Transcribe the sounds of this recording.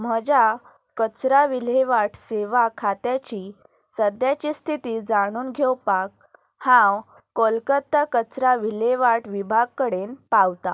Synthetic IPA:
m̤əd͡ʑa | kət͡sɾaʋileʋaʈʰseʋakʰat̪jat͡ɕi | səd̪jat͡ɕist̪ʰit̪iːd͡zaɽ̃uːnɡʱewpak̚ | hãw | kolkət̪ːakət͡sɾaʋileʋaʈʰʋibʱaɡ̚kəɽenpawt̪a

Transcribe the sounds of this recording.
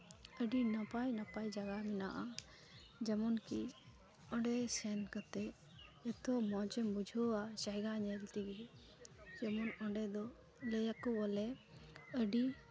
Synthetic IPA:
əɖinapajnapajd͡ʒaɡaminaʔa | d͡ʒəmɔnki | ɔ̃ɖɛsɛnkət̪ɛː | t̪ɔmɔt͡ʃɛmbud͡ʒʱuasaɦɡaɲɛlt̪iɡi | d͡ʒɛmɔnɔɖɛd̪ɔ | lɛjakɔwɔlɛəɖi

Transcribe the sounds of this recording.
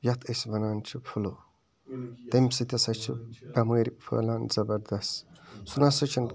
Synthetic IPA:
jɐt̪ʰesbɐnaːnt͡ʃʰupʰulo | t̪ɐmsit̪ɐsɐt͡ʃʰubɐmɐɾʲipʰɐ̰lanzɐbɐɾd̪ɐst̪sunasɐt͡ʃʰin

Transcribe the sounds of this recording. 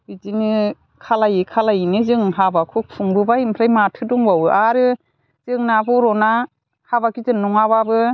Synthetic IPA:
bizinɯ | kʰalajikʰalajinɯzɯŋɦabakʰuk̚pʰuŋbɯbaimpʰɾajmatʰɯduŋbawɯʔaɾɯ | z̥ɯŋnabɯɾɔna | habakizɯnnuŋaβabɯ

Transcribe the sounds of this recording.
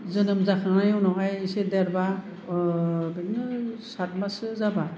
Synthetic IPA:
zɯnɯmzakaŋnajɔwnɔɡajisedɛɾba | benɯsat̚masɯzaba

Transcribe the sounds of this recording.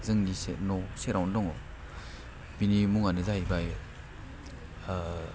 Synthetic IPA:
zɯŋnisenɔseɾawndɔŋɔ | binimuŋanɯzaibaj

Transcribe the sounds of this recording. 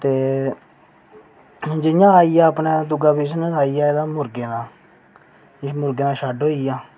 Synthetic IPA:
t̪eː | d͡ʒɪjãːaːijaːəpnẽːd̪ʊɡaːpiːsnsaːijaːed̪aːmʊɾɡeːd̪ãː | mʊɾɡeːnaːʃaːɖoːiːjaː

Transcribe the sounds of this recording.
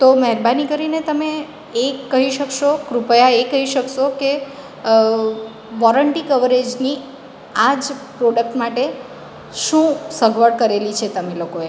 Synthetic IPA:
t̪oməɦɛɾbanikəɾinet̪əme | ekːəɦiʃəkʃokɾupəjaekəɦiʃəkʃoke | ʋɔɾəɳʈikəʋəɾed͡ʒni | ad͡ʒpɾoɖək̚ʈmaʈe | ʃũsəɡʱʋəɽkəɾelit͡ʃʰet̪əmelokoe

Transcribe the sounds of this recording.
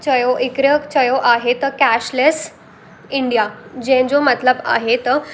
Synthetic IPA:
t͡ɕəjoʔikɾjət͡ɕəjoʔaɦet̪əkæɕles | iɳɖijad͡ʑẽd͡zomət̪ləba̰ɦet̪ə

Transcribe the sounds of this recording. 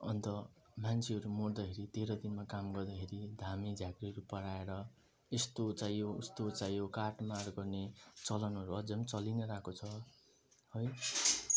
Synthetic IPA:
ʌ̰nt̪ʌ | mant͡sʰiʌɾumord̪ʌkʰeɾit̪eɾʌd̪inmakamɡʌrd̪akʰeɾid̪ʱamid͡zʱjaɡriʌɾupʌɽaeɾʌ | est̪ot͡sajoust̪ot͡sajõkaʈmarɡʌrnet͡sʌlʌnʌɾuʌd͡zʌmt͡sʌlinʌɾakot͡sʰʌ | hʌj

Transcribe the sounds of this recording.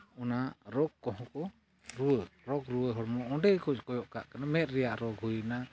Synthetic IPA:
ɔnaɾɔɡ̚kːɔɦɔ̃kɔ | ɾuəɾɔɡɾuəɦɔɽmɔʔɔɖɛjkɔt͡ʃkɔjɔʔkaʔkanamɛt̪̚ɾɛjaʔɾɔɡɦujna

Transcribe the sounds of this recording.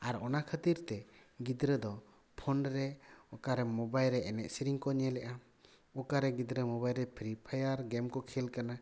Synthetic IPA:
aɾɔnakʰət̪iɾt̪ɛɡid̪ɾəd̪ɔ | pʰɔnɾɛɔkaɾɛmɔbajlɾɛɛnɛʔ̚siɾiŋkɔɲɛlɛʔa | ɔkaɾɛɡid̪ɾəmɔbajlɾɛpʰɾipʰajaɾɡɛmkɔkʰɛlkana

